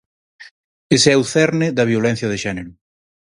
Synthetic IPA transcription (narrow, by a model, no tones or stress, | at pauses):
eseɛuθɛɾnɪðɐβ̞jolɛ̃n̟θjɐðeʃɛneɾʊ